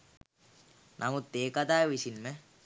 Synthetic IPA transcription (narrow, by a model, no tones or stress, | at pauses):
nʔamut̪ːeːkat̪aːjʋisinmə